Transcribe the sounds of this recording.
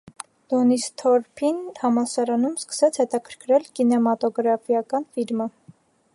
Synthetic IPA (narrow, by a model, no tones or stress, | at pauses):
d̪̥ɔnist̪ʰɔɾpʰinhɑmɑsɑɾɑnumskə̥sɛt͡sʰhɛt̪ɑkʰə̥ɾkʰɾɛlkinɛmɑt̪ɔɡɾɑfijɑkɑnfilmə